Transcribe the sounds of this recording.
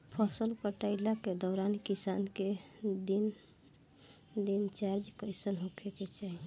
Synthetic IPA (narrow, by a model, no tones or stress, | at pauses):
pʰɔsəlkəʈaɪlaked̪ɔːɾankisanked̪in | d̪int͡ʃaɾd͡ʒkəɪsənɦokʰeket͡ʃaɦi